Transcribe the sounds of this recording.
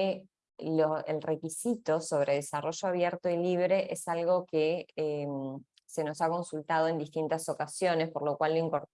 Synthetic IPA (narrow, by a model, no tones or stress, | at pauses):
loelre̞kisit̪o̞so̞β̞ɾe̞ðesaro̞ʒoaβjeɾt̪oiliβ̞ɾe̞ʔesalɣo̞keem | se̞no̞sako̞nsult̪að̞o̞e̞nd̪iht̪int̪aso̞kasjo̞ne̞spoɾlo̞kwalːoiŋkoɾ